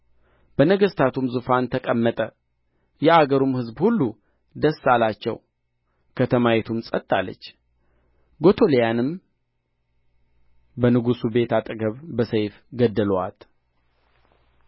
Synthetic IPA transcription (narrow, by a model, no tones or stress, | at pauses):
b̥ənəɡəst̪ʰat̪ʰumzufant̪ʰəkʼəmːət̪ʼə | jɛʔaɡəɾumhɨzbhulːu | d̪əsːalat͡ʃːɛ̰w | kʰət̪ʰəmajɛt̪ʰumsʼət̪ʼːalːə̰t͡ʃː | ɡo̞t̪ʰo̞lejanɨm | bənɨɡusube̞t̪ʰat̪ʼɨɡəβbəsəjfɡəd̪ːəla̰t̪